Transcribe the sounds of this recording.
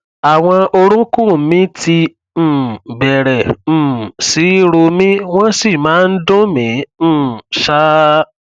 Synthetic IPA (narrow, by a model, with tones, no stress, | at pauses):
a˨w̃ɔ̃˧o˧ɾ̃ũ˦kũ˦˨˦mĩ˦ti˧˨ | bɛ˨ɾɛ˨si˨˦ɾo˧mĩ˦wɔ̃˦si˦˨mãː˨˦˧n̩˦dõ˦mĩ˨˦˨ʃa˦